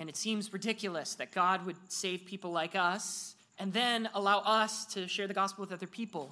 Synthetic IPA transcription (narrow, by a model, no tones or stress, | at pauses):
ɨ̃nɨtsĩmzɹɨdɪkʰjl̩ˠəsðɨt̚ɡ̥ɑd̚wɨd̚seɪv̥pʰipl̩ˠlaɪkʌs | ɨ̃nðɨ̃nəlaʊʔʌstʰɨʃɛɹðɨɡɑspl̩ˠwɨðʌðə˞pʰipl̩ˠ